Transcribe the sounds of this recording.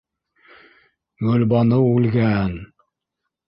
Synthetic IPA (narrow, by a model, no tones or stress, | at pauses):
ɡɵlbɑnɤulɡʲæn